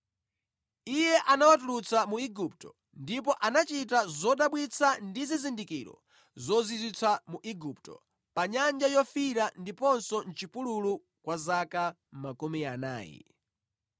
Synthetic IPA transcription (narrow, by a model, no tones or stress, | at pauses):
ijɛʔanawatulut͡samuiɡup̚tɔ | ndip̬ɔʔanat͡ʃitazɔɗaɓwit͡sʰandizizindikiɾɔ̰ | zɔzizit͡sʰamuʔiɡup̚tɔ̰ | paɲand͡ʒajɔfiɾandipɔnsɔn̩t͡ʃipululu | kwazaka | makumiana̰ːjɛ̰